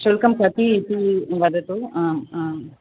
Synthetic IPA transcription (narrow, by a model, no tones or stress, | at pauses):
ʃulkɐmkɐt̪iːt̪iʋɐd̪ɐt̪u